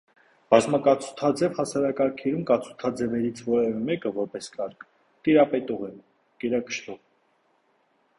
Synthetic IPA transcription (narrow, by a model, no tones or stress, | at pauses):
b̥ɑzmɑkɑt͡sʰu̥t̪ʰɑd͡zɛvhɑsɑɾɑkɑɾkʰɛɾumkɑt͡sʰu̥t̪ʰɑd͡zɛvɛɾit͡sʰvɔɾɛvɛmɛkəvɔɾpɛskɑɾkʰ | t̪iɾɑpɛt̪ɔʁɛ | kɛɾɑkə̥ʃt̪ɔʁ